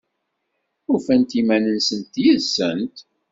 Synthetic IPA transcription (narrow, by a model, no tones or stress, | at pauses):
ufænt̪imænənsənt̪jəðsənt̪